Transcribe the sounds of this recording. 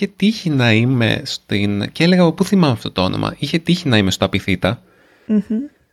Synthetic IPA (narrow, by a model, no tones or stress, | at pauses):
iet̪içinɐime̞̰st̪incele̞ɣɐːpopuθimɐmeɐft̪o̞t̪oo̞̰nʔo̰mʔɐ̰içe̞t̪içinɐime̞st̪oɐpiθit̪ɐ